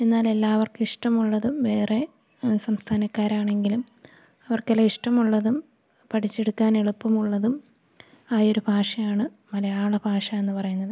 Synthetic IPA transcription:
e̞nːaːle̞lːaːʋɐrkɨiʂʈɐmuɭːɐðuʋe̞ːre̞ | sɐmst̪ʰaːnɐkːaːɾaːɳe̞ŋɡilum | ɐʋɐrkelɐiʂʈɐmuɭːɐðum | pɐʈʰit͡ɕːe̞ɽukːaːneɭupːumuɭːɐðum | aːjo̞ɾubʱaːʂɐjaːɳɨ | mɐlɐjaːɭɐbʱaːʂɐe̞nːɨpɐrɐjunːɐðɨ

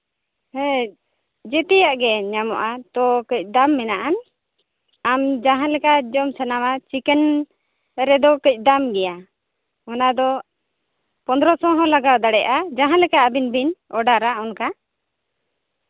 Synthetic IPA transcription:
hɛ | d͡ʒɛt̪ɛjaʔɡɛɲamɔ̰ʔat̪ɔkəc̚ˀd̪amːɛnaʔan | amd͡ʒaɦãlɛkad͡ʒɔmsanamat͡ʃikɛn | ɾɛd̪ɔkəc̚ˀd̪amɡɛja | ɔnad̪ɔ | pɔnd̪ɾɔsɔ̃ɦɔ̃laɡawd̪aɽɛʔad͡ʒãɦãlɛkaabinbinɔɖaɾaɔnka

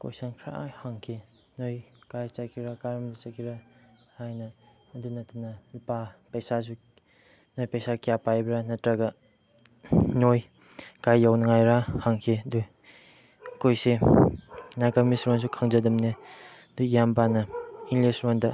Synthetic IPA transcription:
kojsankʰɾa̰ʔajhaŋkʰe | nojkajt͡ʃakʰiɾakaɾɐmdit͡ʃakʰiɾa | hajnɐː | dunɐtɐnɐlipapɐjsas̬u | nojpɐjsakijapajbɾanɐtɾɐɡɐ | noj | kajːawnɐŋajɾahaŋkʰedu | kojse | nakamisɾɔns̬ukʰaŋzɐdɐmne | dujambanɐiŋlesɾɔndɐ

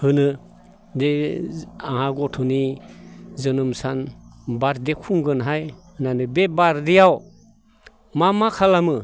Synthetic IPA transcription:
hɯnɯ | de | aŋhaɡɔtʰɔni | zɯnɯmsanbaɾdekʰuŋɡɯnɦajhɯnanɯbebaɾdejaw | mamakʰalamɯ

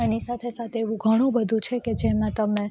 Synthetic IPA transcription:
anisat̪ʰesat̪ʰeeʋũɡʱəɽ̃ũbəd̪ʱũt͡ʃʰeked͡ʒemãt̪əmẽ

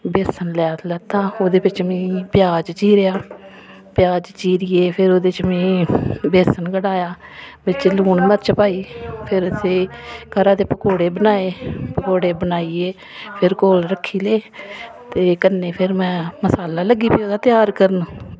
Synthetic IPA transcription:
beːsənlɛːlət̪ãːoːd̪eːbɪt͡ʃmɛ̃ːpjaːd͡ʒt͡ʃiːɾejaː | pjaːd͡ʒt͡ʃiːɾiːeːpʰɪɾoːd̪et͡ʃmẽːbeːsənɡəɽaːjaːbɪt͡ʃluːɳməɾt͡ʃpaːiːpʰɪɾəseːkəɾãːt̪eːpəkoːɽeːbənaːeːpəkoːɽeːbənaːiːeː | pʰɪɾkoːlɾəkʰːiːleː | t̪eːkənːeːpʰɪɾmɛ̃ːməsaːlaːləɡːiːpiːoːd̪aːt̪jaːɾkəɾnuː

